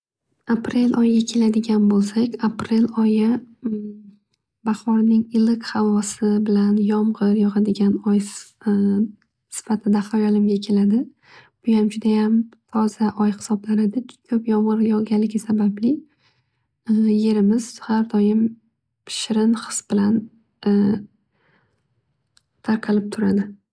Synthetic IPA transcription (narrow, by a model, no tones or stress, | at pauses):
apʰɾe̞lʔɒjɡʲakʲʰe̞lad̪ɪɡʲanbolˠsakʲapɾe̞lɒjɪ | baχɒɾnɪŋɪlɪkhavɒsɪbɪlanjɒmʁɨɾjɒʁɑd̪ɪɡʲanɒj | sɪ̥fat̪ʰɪd̪aχajɒlˠɪmɡʲakʲʰe̞lad̪ɪ | b̥ʊjamd͡ʒʊd̪ajamt̪ʰɒzaʔɒjhɪ̥sɒblaɾɪd̪ɪkʲʰɵpjɒmʁɨɾjɒɡʲalːɪɡʲɪsabablɪ | je̞ɾɪmɪz̥haɾd̪ɒjɪm | pʰɪ̥ʃɪɾɪnχɨ̥sb̥ɪlan | t̪ʰaɾqʰɑlɪp̚t̪ʰʊɾad̪ɪ